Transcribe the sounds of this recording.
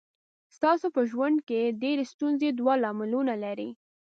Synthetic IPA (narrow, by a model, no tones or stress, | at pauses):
st̪ɑsopəʒwand̪keɖeɾest̪unzed̪wɑlɑmɪlunalaɾḭ